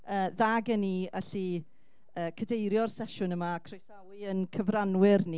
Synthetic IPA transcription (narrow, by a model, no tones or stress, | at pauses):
əːðaɡənia̰ɬi | əːkʰədejɾjɔrsɛʃʊnəmaːkʰrojsawɨənkʰəvranwɪrni